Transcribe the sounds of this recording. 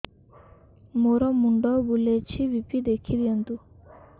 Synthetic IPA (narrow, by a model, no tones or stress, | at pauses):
moɾɔmuɳɖɔbulet͡ɕʰiwipid̪ekʰiljɔnd̪u